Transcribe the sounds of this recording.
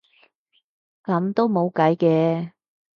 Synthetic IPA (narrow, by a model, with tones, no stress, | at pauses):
kɐ˨˧mt̪o˥wmo˨˧wkɐ˨˥jkɛː˧